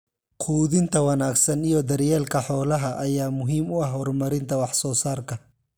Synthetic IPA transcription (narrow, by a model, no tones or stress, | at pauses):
qʰuːðɪnt̪ʰɐwɐnaːɡsɐnijɔd̪ɐrjɛːlkʰɐħɔːlɐɦɐʔɐjaːmʊɦiːmʊɐɦhɔrmɐɾɪnt̪ʰɐwɑħsɔːsaːrkʰɐ